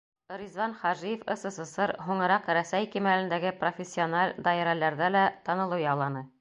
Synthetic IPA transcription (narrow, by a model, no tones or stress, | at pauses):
ŏɾizvɑnχɑʒijɤ̆fɤ̆sɤ̆sɤ̆sɤɾɦuɴɤ̆ɾɑqɾæsæjkimælɘ̆nd̪æɡɘprofʲesʲːionalʲd̪ɑeɾælæɾðælæt̪ɑnɤ̆lˠɤwjɑlˠɑnɤ